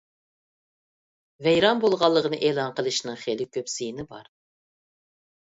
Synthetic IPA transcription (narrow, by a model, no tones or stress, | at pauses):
vɛjɾɑnbolˠʁɑlˠːəʁənɨʔeːlˠɑnqəlˠɨʃnɨŋχelɪkʲʰøpsijinɪbɑ̰ɾ